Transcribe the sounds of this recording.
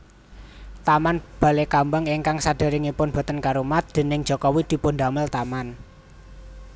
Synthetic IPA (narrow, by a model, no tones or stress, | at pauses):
t̪amanb̥ä̤lekambəŋiŋkaŋsad̥a̤ɾɪŋipʊnb̥ɔ̤t̪ənkaɾumat̪̚d̪̥e̤nɪŋd͡ʒʒ̥ɔ̤kɔwid̪̥i̤pʊnd̪aməlt̪aman